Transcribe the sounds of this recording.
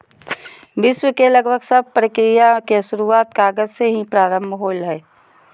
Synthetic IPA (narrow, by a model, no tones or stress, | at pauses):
ʋɪʃwəkeləɡbʱəɡsəb̚ʱpɾəkɾɪjakesʊɾuaːt̪kaːɡəzseɦĩpɾaːɾə̃mbʱɦoːlɦɛː